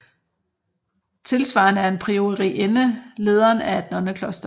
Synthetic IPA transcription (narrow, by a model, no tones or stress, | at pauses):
t͡sʰe̝lsʋɑ̰̈ːnəæɐe̝npʰʁio̝ʁiʔenəle̝ːð̞ˠɐːnæed̥nɒ̽nəkʰlɒ̽sd̥ɐ